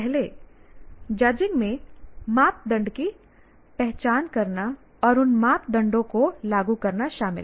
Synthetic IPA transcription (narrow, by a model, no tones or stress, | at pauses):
ɛɦle | d͡ʒɐd͡ʒɪ̃ŋɡmẽmaːp̚d̪ɐ̃ɳɖki | pɛɦt͡ʃaːnkɐɾna | ɔːɾʊnmaːp̚d̪ɐ̃ɳɖõkolaːɡukɐɾnaʃaːmɪ̰l